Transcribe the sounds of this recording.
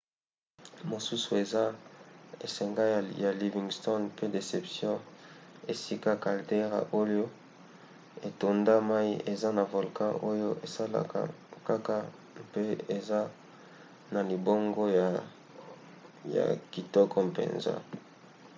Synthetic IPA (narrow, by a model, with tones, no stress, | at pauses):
mo˨su˦su˨e˨za˦ | e˨sɛ˨ŋɡa˦˨ja˨li˨vi˨ŋɡstɔ˦npe˦de˨se˨psjɔ̃˦e˨si˦ka˦ka˨lde˦ʁa̰˨ʔo˦jo˦ | e˨to˨nda˦ma˦i˦ʔe˨za˦na˨vo˨lkã˦ʔo˦jo˦ʔe˨sa˦la̰˨ka̰˨ | ka˦ka˦ | pe˦e˨za˦ | na˨li˨bo˦ŋɡo˦˨ | ja̰˨ki˨tɔ˦kʰɔ˦pḛ˨nza̰˦